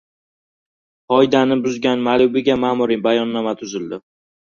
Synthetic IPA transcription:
qɒjd̪anɪbʊzɡʲanmalʊbɪɡʲamaːmʊɾɪbajɒnːamat̪ʰʊzɪld̪ɪ

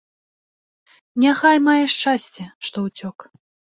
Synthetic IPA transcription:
nʲaxajmajɛʂt͡ʂasʲt͡sʲɛʂt̪ɔwt͡sʲɔk

